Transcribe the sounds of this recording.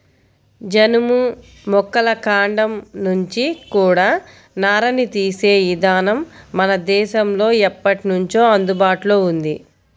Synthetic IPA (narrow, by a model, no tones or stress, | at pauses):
d͡ʒɐnumu | mɔkːɐlɐkaːɳɖɐmnuɲt͡ʃikuːɽaː | naːɾɐnit̪iːse̞ːʋid̪aːnɐmːɐnɐd̪ɛːʃɐmlo̞ːɛpːɐʈinuɲt͡ʃo̞ːɐnd̪ubaːʈlo̞ːund̪i